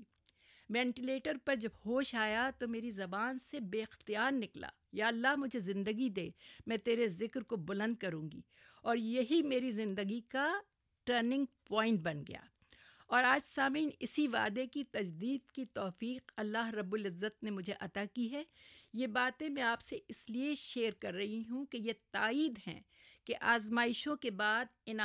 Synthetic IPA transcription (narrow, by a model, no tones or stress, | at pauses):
ʋɛ̃ːɳʈɪleːʈəɾpɐɾd͡ʒɐbhoːʃaːjat̪omeːɾizɐbaːnsebeːɪxt̪ijaːɾnɪkla̰ːjaːɐlːaɦmʊd͡ʒʱezɪ̃nd̪əɡid̪eːmɛ̃ːt̪eːɾezɪkɾkobʊlə̃nd̪̚kɐɾũːŋɡḭ | ɔːɾjɐɦimeːɾizɪ̃nd̪əɡika | ʈəːɾnɪ̃ŋɡ̚pɔ̃ːɪ̃ɳʈ̚bɐnɡɐ̰ja̰ː | ɔːɾaːd͡ʒsaːmiːnɪsiʋa̰ːd̪ekit̪ɐd͡ʒd̪iːd̪kit̪ɔːfiːqɐlːaɦɾɐbːʊlɪzːət̪̚nemʊd͡ʒʱeʔɐt̪aːkiɦɛːjebaːt̪ẽmɛ̃aːpseɪslieʃeːɾkɐɾːɐɦiɦũkejet̪aːiːd̪ɦɛ̰̃ | keʔaːzmaːɪʃõkebaːd̪ɪn